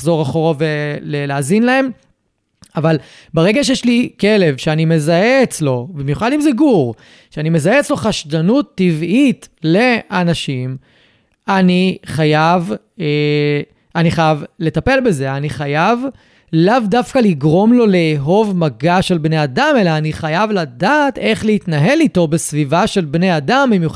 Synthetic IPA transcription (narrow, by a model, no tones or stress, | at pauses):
zo̞ʁaχoʁoveleleaːzinlae̞m | aval | baʁe̞ɡaʃejeʃlikele̞vʃeanime̞zaeːt͡slo̞bimjuχad̪imzeɡuʁ | ʃeanime̞zaet͡slo̞χaʃdanut̪ːivit̪le̞ʔanaʃim | aniχajav | e | ʔaniχajavle̞t̪ape̞lbe̞ze̞aniχajav | lavdafkaliɡʁo̞mlo̞leːɦo̞vmaɡaʃelbne̞jadame̞laːniχajavladaːte̞χleit̪naɦe̞lito̞be̞svivaʃe̞lbnejadambimjuχ